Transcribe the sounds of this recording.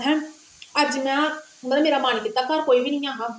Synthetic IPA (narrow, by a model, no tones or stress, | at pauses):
ɦɛ̃ː | əd͡ʒmɛ̃ː | mət̪ləbmeːɾaːmaːñkɪt̪ːaːkaːɾkoːiːʋiːnĩːãːɦaː